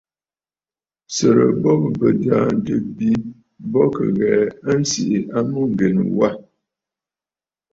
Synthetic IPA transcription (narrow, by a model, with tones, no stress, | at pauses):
sə˨ɾə̰˨bɔ˦bbə˨da˨n̩˨tə˦bi˦ | bɔ˦kə̰˨ɣɛː˨ə˦n̩˦si˨ʔi˨a˦mu˦ŋ̩˨ɡe˨n˨wa˦